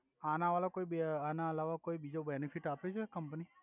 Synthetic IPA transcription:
anãʋalokoibanãəlaʋakoibid͡ʒobɛnifiʈapet͡ʃʰekəmpni

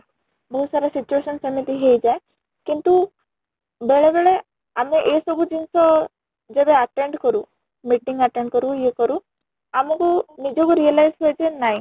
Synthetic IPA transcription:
bəɦusaɾasit͡ɕueɕənsəmit̪iɦejd͡za | kint̪u | beɭebeɭe | ameʔesəbʱud͡ʑinsɔ | d͡zed̪eəʈeɳʈkəɾu | miʈĩŋɡəʈẽɳɖkəɾujekəɾu | amukunid͡ʑɔkuɾijəlajd͡zpejt͡senai

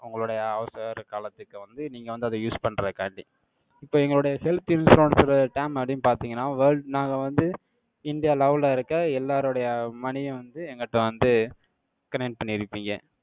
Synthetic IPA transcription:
ʊŋɡɐɭʊɽɐjɐɐʋsɾkaːlɐt̪ːɯkːɯʋɐnd̪ɯniːŋɡɐʋɐnd̪ɯɐðɐjuːspɐɳːɾɐðɯka̰ːɳɖi | ɪpːoːɛŋɡɐɭɯɽɐjɐhɛlt̪jɪnsɾoːnsɪɾɐðɐʈɐɪmɐpːɽɪnpaːɾt̪iːŋɡɐnːaːʋɐːɾɖnaːŋɡɐʋɐnd̪ɯ | ɪɳɖɪjaːlɐʋlaɪɾɯkːɐɛlːaːɾɯɽɐjɐmɐnɪjʊ̃ʋɐnd̪ɯɛŋɡɐʈːɐ̃ʋɐnd̪ɯ | kɐnɛk̚ʈ̚pɐɳːɪɪɾɯpːiːŋɡɐ̰

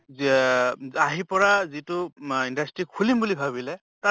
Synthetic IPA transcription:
aɦipɔɹazitʊindastɹikʰulimbulibʱaβilɛ | ta

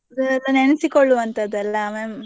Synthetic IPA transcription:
ɐd̪ɐɛlːɐneɳɐsikoɭːuɐnt̪ɐd̪ɛlːɐme

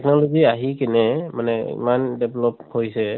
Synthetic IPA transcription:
ɛk̚nɔlɔziaɦikɛnɛmanɛḭmandɛblɔphojsɛ

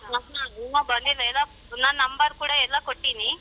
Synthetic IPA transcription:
ɐɦamobɐnd̪ilːɐɛlo | naːnːɐmbɐɾkuːɽaɛlːakoʈːini

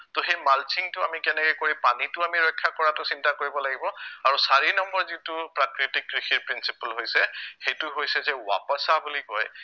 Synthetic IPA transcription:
toxejmalt͡ʃiŋtʊamikɛnɛkɛjkoɹipanitʊamiɹɔjkʰːakɔɹatʊsintakoɹibɔlaɡibɔaɹusaɹinɔmbɔɹzitʊpɹakɹitikːɹixʰiɹpɹinsipəlɦojsɛxejtʊɦojsɛzɛwa̰pɔsabulikɔj

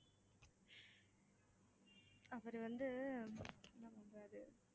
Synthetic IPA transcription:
ɐʋɐɾɯʋɐnd̪ɯ | namɐɳɾaːðɯ

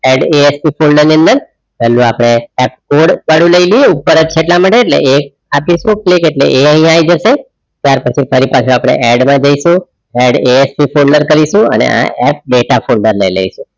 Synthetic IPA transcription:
ɛɖeespifolɖəɾniənd̪əɾ | pɛlːũapəɽ̃eɛp̚koɽʋaɽũləjlieupːəɾəd͡ʒt͡ʃʰeʈlamaʈeːʈlḛʔek̚ | apisũklikeʈlḛʔeəɦĩaajd͡ʒəʃe | t̪jaɾpət͡ʃʰifʰəɾipat͡ʃʰuapɽ̃ḛʔɛɖmãd͡ʒəiʃũ | ɛɖeespifʰolɖəɾkəɾiʃũə̰nḛa̰ʔɛp̚ɖeʈafʰolɖəɾləilə̰iʃũ

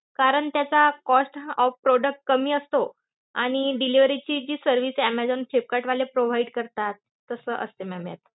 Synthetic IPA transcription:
kaɾəɳt̪jat͡sakɔsʈɔfpɾoɖək̚ʈ̚kəmiːəst̪o | aɽ̃iɖiliʋɾit͡ɕiːd͡ʑiːsəɾʋiːsæmɛd͡zonʈʰep̚kaʈʋalepɾoʋ̤aiɖkəɾt̪at̪ːəsəːʔə̰st̪emæmja̰t̪̚

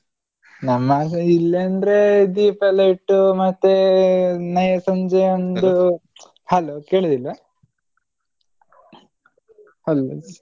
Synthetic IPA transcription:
nɐmːɐilːend̪ɾed̪iːpʰɐlɐiʈːumɐt̪ːe | nɐjɐsɐɲd͡ʒeond̪u | hɐloːkeːɭid̪ilɐ | hɐlo

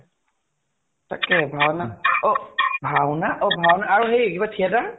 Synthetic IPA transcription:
ta̰kɛbʱawnaɔbʱawnaʔɔbʱawnaːɹuɦejkibatʰiɛta

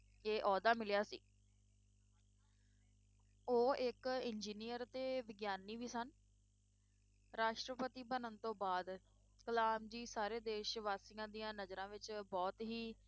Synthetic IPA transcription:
eːʔɔːd̪aːmɪljaːsḭː | oːɪkɪnd͡ʒiːnijəɾt̪eːʋɪɡjaːniːʋiːsən | ɾaːʃʈɾəpət̪iːbənənt̪õːbaːd̪ | kəlaːmd͡ʒiːsaːɾeːd̪eːʃʋaːsɪŋãːd̪ijãːnəzɾãːʋɪt͡ʃbɔːt̪ɦiː

